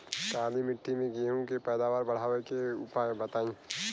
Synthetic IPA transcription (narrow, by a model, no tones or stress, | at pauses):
ʈ̪aːlimɪʈʰːimẽɡieɦũkepɛːd̪aːʋaːɾbɐɽ̤aːʋekeʊpaẽbɐt̪aːĩ